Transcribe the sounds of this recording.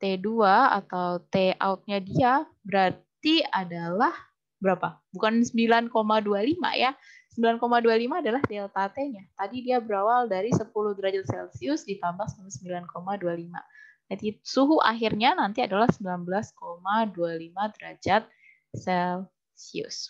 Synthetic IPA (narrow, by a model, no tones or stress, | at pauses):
t̪eduaa̰t̪awt̪ea̰ut̪̚ɲadiabəɾartt̪iadalah | bəɾapabukansəmbilankomadualima̰ja | səmbilankomadualimaːdalahdɛɛlt̪at̪eɲat̪adidiabəɾawaldaɾisəpulʊhd̪əɾad͡ʒat̪̚sɛlsiʊsdit̪ambaŋsamasəmbilankomadualima̰nat̪isuɦuʔa̰ɦirɲanant̪iadalahsəmbilanbəlaskomadualimad̪əɾad͡ʒat̪̚ | sɛl | siʊ̰s